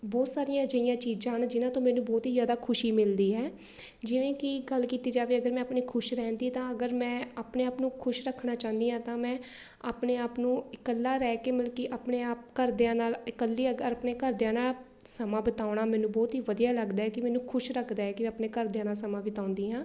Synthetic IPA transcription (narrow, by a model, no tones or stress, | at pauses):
bɔːt̪saːɾijãːd͡ʒəijãːt͡ʃiːd͡ʒãːɦnd͡ʒɪnãːt̪õːmɛːnũːbɔːt̪ɦiːzaːd̪aːkʰʊʃiːmɪld̪iːɦɛː | d͡ʒɪʋẽːkɪɡəlkiːt̪iːd͡ʒaːʋeːəɡəɾmɛ̃ːəpniːkʰʊʃɾɛːnd̪iːt̪ãːəɡəɾmɛ̃ːaːpneːaːpnũːkʰʊʃɾəkʰːnaːt͡ʃãːnd̪iːɦãːt̪ãːmɛ̃ː | aːpneːaːpnũːɪkəlːaːɾɛːkeːməlkiʔaːpneːaːp̚kəɾd̪eãːnaːlɪkəlːiːəɡəɾəpneːkəɾd̪jãːnaːsəmãːbət̪aːɳaːmɛːnũːbɔːt̪ɦiːʋəd̪ijaːləɡd̪aːɦɛːkɪmɛːnũːkʰʊʃɾəkʰd̪aːɦɛːkɪmɛ̃ːəpneːkəɾd̪ejãːnaːsəmãːbɪt̪ãːʊnd̪iːɦãː